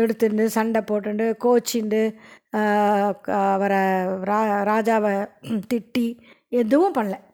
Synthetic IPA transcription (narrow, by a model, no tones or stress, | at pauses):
ɛɽɯt̪ːɯɳɖɯsɐɳɖɐpːoːʈːɯɳɖɯkoːt͡ʃːɪɳɖɯ | ɐʋɐɾɐɾaɾaːd͡ʒaːʋɐt̪ɪʈːi | ɛðɯʋɯ̃pɐɳlɛ̃